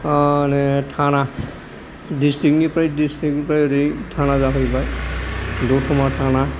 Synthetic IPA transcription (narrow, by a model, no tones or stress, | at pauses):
nɛtʰana | distik̚nipɾajdistik̚npɾajditʰanazaɦɔjbaj | dutʰɔmatʰana